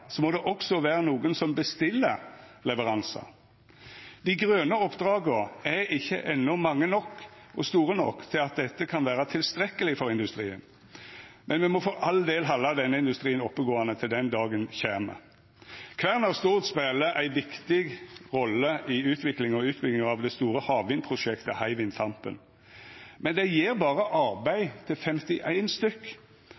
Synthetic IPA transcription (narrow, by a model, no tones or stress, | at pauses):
sɔmɔd̪ɛʔɔksɔʋæːɾənuːɡənsɔmbəst̪ɪlːəlɛʋəʁɑnsɑ̰ | d̪̥ɪɡɾøːnəɔpːd̪ʁɑːɡəɛɪçːə̰ʔɛnːʊmɑŋːənɔkː | ʔɔst̪uːɾənɔ̰kːt̪ʰɪlɑt̪̚d̪ɛt̪ːəkʰɑnʋæːʁət̪ʰɪlst̪ɾɛkːəlɪfɔɾɪnd̪ʉst̪ɾḭːə̰n | mʔɛnmɛmɔfoːʔɑld̪eːlɦɑlːɑd̪ɛnːəɪnd̪ʉst̪ɾiːənɔpːəɡoːɑnət̪ʰɪld̪ɛnd̪ɑːɡənçæmə̰ | kʰʋæʁnɑst̪uːʁt̪speːləʔæɪʋɪkt̪ɪɡʁɔlːəʔɪʉːt̪ʰʋɪklɪŋɔʉːt̪bʏɡɪŋɑʋd̪ɛst̪uːɾəhɑːʋɪnpʰʁʊʃɛkt̪əhæɪʋɪnt̪ʰɑmpə̰n | mɛnd̪ɛjeːʁbɑːʁəʔɑʁbæɪt̪ʰɪlfɛmt̪ɪʔæɪnst̪ʏkː